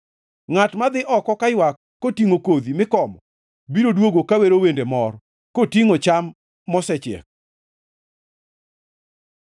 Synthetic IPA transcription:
ŋatmad̪ɪʔɔkɔkajwakːotiŋokod̪imɪkɔmɔ | biɾodwoɡokaweɾowendemɔr | kotiŋot͡ʃamː | ɔsɛt͡ʃɛ̰k̚

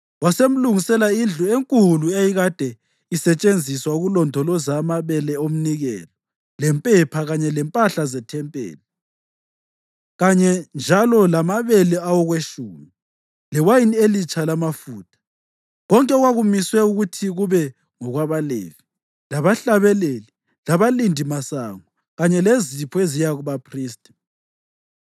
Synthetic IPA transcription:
wasem̩luŋisɛlaiɮueŋkʼuluejiɣad̥ʱɛ | isɛt͡ʃʼend͡zʱiswauɣulɔndʱɔlɔzamaβɛlɛom̩niɣɛ̰ːlɔ | lɛmpʼɛpʰaɣaɲɛlɛmpʼaɬazɛtʰɛmpʼḛːli | ɣaɲɛnd͡ʒʱalɔlamaβɛlɛawɔɣweʃumi | lɛwajinielit͡ʃʼalamafuːtʰḁ | ɣɔŋkʼɛɣwaɣumiswɛuɣutʰiɣuβɛ | ŋɔɣwaβalḛːvi | laβaɬaβɛleli | laβalindʱimasaŋɔ | ɣaɲɛlezipʰɔezijaɣuβapʰriːstʼɛ̥

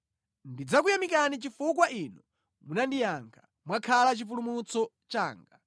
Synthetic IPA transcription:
ndid͡zakujamikanit͡ʃifuk̬waʔinɔ | munandijaŋkʰḁ | mwakʰalat͡ʃifulumut͡sɔ | t͡ʃaːŋɡa

